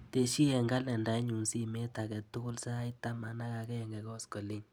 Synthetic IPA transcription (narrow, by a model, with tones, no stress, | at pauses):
te˨ʃi˦ɛ˨ŋɡa˦lɛ˨nda˨˦ɲu˨nsi˦me˦ta˨kɛ˨tʊ˦kʊ˦lsa˦a˦i˦ta˦ma˨na˦ka˨kɛ˦ɛ˨ŋɡɛ˨kɔ˦skɔ˨li˦ɲ